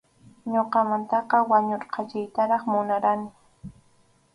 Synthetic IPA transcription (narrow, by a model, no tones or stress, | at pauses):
ɲoqɑmant̪ɑqɑwaɲoɾqɑt͡ʃɪjt̪aɾɑχmʊnaɾanɪ